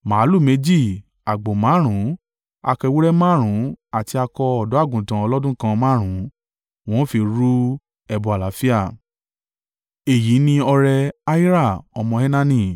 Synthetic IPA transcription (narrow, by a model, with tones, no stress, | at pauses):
mãː˨˦lu˦˨me˨˧˦d͡ʒi˦˨ | a˨ɡ͡bo˨mãː˨˦ɾ̃ũ˨˦ | a˧kɛ˧wu˦ɾɛ˦mãː˦˨ɾ̃ũ˨˦a˦˨ti˧a˧kɔ˧ɔ˨dɔ˨˦a˦˨ɡũ˨tã˨ɔ˧lɔ˦dũ˦kã˧mãː˦ɾ̃ũ˨˦ | w̃ɔ̃˨˦fi˧ɾu˦ | ɛ˧bɔ˨a˨la˨˦fi˦a˦˨ | e˨ji˨˦nĩ˧ɔ˧ɾɛ˧a˦i˦ɾa˦˨ɔ˧mɔ̃˧e˦nã˦nĩ˧